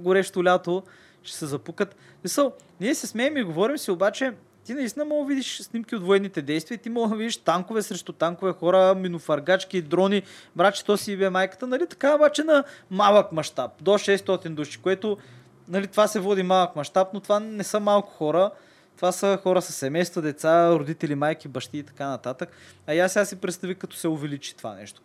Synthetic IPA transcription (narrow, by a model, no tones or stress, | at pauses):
ɡʊɾɛʃt̪ʊlʲat̪o | ʃɛ̥sɛzɐpukət̪ | smisəlˠ | niɛsɛsmɛɛmiɡovɔɾimsiobat͡ʃɛ | t̪inɐist̪inəmɔɡovid̪iʃsnimkiod̪voɛd̪nit̪ɛd̪ɛjst̪vʲiət̪imɔɡəd̪vid̪iʃt̪aŋkʊvɛsɾɛʃt̪ut̪aŋkovɛxɔɾəminʊfɐɾɡat͡ʃkid̪ɾɔnibɾat͡ʃɛ̥t̪ɔsiibɛmajkə̥t̪ənɐlit̪ɐ̥kaobat͡ʃɛnɐmalˠəkmɐʃt̪ap̚d̪oʃɛst̪ɔt̪ind̪uʃi̥koɛt̪o | nɐlit̪ovasɛvɔd̪imalˠəkmɐʃt̪apnot̪vanɛsəmalˠkʊ̥xɔɾə | t̪ovasəxɔɾəsɐsːɛmɛjst̪vəd̪ɛt̪saɾʊd̪it̪ɛlimajk̟ibɐʃt̪iːt̪ɐ̥kanɐt̪at̪ək | ɐjasʲasipɾɛt̪st̪ɐvikɐt̪ɔ̥sɛʊvɛlit͡ʃi̥t̪ova̰nɛ̰ʃt̪o̥